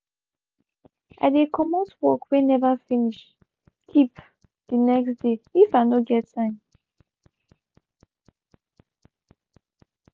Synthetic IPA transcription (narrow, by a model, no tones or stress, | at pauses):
ʔa̰dekʰɔmɔswɔkwenɛvafiniʃ | kʰip | d̥inɛksd̥eifaɪnoɡɛtsãɪ̃n